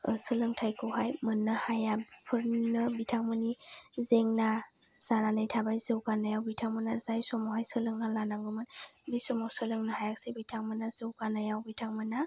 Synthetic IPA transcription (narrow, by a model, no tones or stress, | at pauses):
sɯlɯŋtʰajkʰuɦajmɯnːɯhajapʰɯɾnɯbitʰaŋmɯnizeŋna | z̥aɾanajtʰabajzɯwɡanajawbitʰaŋmɯnazajsɔmɔwɦajsɯlɯŋɡalanaŋɡɯmɯnbisɔmɔwsɯlɯŋnahajak̚sibitʰaŋmɯnazɯwɡanajawbitʰaŋmɯna